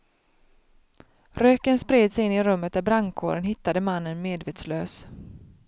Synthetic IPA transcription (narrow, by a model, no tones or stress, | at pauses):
ɾøːkənspɾeːd̪sɛjɪnːɪɾɵmːət̪̚d̪æɾbɾaŋkʰo̰ːɾənɦɪt̪ːad̪əmanːənmeːd̪veːt̪sløːs